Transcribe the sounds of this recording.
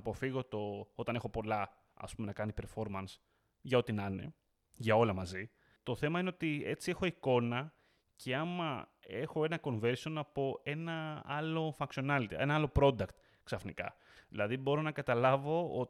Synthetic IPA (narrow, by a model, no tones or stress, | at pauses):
ɐpo̞fiɣo̞t̪o̞o̞t̪ɐne̞xo̞po̞lɐ | ɐ̰spume̞nɐkɐnipe̞ɾfo̞ɾmɐns | ʝɐot̪inɐne̞̰ | ʝɐo̞lɐmɐzi | t̪o̞θe̞mɐine̞ot̪ie̞t͡sie̞xo̞iko̞nɐ | cʰe̞ɐmɐ | e̞xo̞e̞nɐko̞ɱve̞ɾsio̞nɐpo̞e̞nɐɐlo̞fɐksio̞nɐlit̪ḭe̞nɐɐlo̞pɾo̞d̪ɐkt̪ | ksɐfnikɐ̰ | ðilɐðibo̞ɾo̞nɐkɐt̪ɐlɐvo̞o